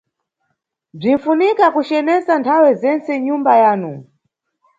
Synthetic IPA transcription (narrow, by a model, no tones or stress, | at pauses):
b͡ʐin̩funikakut͡ʃɛnɛsantʰawɛzɛnt͡sɛɲumbajaːnu